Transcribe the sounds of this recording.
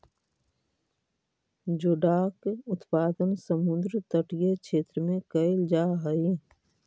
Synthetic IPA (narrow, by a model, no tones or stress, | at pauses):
d͡ʒʊɖaːkʊt̪paːd̪ənsəmʊ̃nd̪ɾt̪əʈijekʃʰeːt̪ɾəmẽkəɪld͡ʒaːɦəi